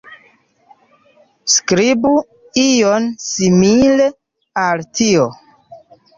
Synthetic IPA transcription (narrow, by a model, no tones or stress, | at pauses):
skɾibu | ionsimile | altʰio